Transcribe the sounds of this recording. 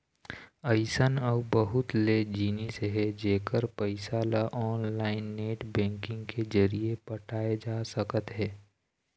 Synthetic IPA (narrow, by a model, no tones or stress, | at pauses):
əɪsənɔːbəɦʊt̪led͡ʒiːneseɦɛd͡ʒeːkəɾpəɪsaːlaʔɔːnlaːɪnːeːʈbɛ̃ːŋkɪ̃ŋɡkezəɾiepɐʈʰaːed͡ʒaːsəkət̪ɦɛː